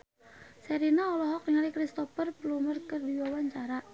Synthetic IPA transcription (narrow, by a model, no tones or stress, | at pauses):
sɛɾinaɔlɔɦɔkŋalikɾist̪ɔfərplumərkərdiwawaɲt͡ʃaɾa